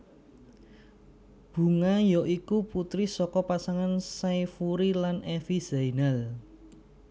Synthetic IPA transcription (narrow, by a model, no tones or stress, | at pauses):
b̥ṳŋajɔʔikuput̪ɾisɔkɔpasaŋansajfuɾilanʔefiz̥ainal